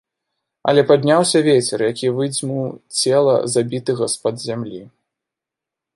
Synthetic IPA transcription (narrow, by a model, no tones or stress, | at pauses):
ɐ̰lʲɛpad̪ʲnʲawsʲɐvʲɛt͡sʲɛrjakʲivɨd͡zʲmuwt͡sʲɛlˠɐ̰zabʲit̪ɨɣɐspɐd̪zʲamlʲi